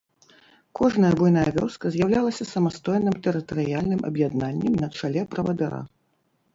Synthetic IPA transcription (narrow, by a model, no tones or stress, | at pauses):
kʰɔʐnɐjɐbɔjnajɐvʲɔ̰skɐzʲjawlʲalˠɐsʲɐsɐmast̪ɔjnɨmt̪ɛɾɨt̪ɐɾɨjalʲnɨmʔɐ̰bjad̪nanʲːɛmnɐt͡ʂalʲɛpɾɐvɐd̪ɐɾa̰